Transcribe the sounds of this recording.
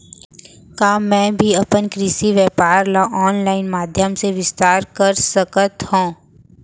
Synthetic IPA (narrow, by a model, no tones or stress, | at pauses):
kaːmɛ̃ːbʱiɐpənkɾɪsiʋjɛːpaːɾlaʔɔːnlaːɪnmaːd̪ʱjəmseʋɪst̪aːɾkɐɾsəkət̪hõː